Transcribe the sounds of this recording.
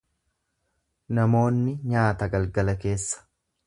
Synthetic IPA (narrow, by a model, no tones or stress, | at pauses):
nɐmo̞ːnːɪɲaːt̪ɐɡɐlɡɐlɐke̞ːsːɐ̥